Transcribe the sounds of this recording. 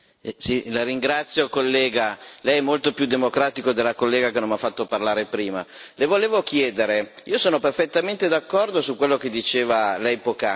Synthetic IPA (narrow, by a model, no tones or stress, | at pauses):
silaɾiŋɡɾat̪sːjokolːɛːɡalɛjɛmːolt̪opjud̪ːemokɾaːt̪ikod̪elːakolːeːɡakenonafːat̪ːoparlaːɾepɾiːmalevoleːvokjɛːd̪eɾeiːosoːnoperfet̪ːament̪ed̪akːɔrd̪osukwelːok̟ed̪ːit͡ʃeːvalɛjpoka